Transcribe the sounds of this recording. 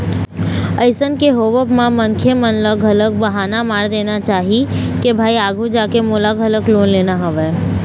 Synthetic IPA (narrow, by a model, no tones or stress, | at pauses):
əɪsənkeɦoːʋəpmãmə̃ŋkʰemənləɡʱɐlək̚bɐɦaːnamaːɾd̪eːnat͡ʃaːɦi | kebʱaːiaːɡʱud͡ʒaːkemoːlaɡʱələkloːnleːnaɦəʋɛː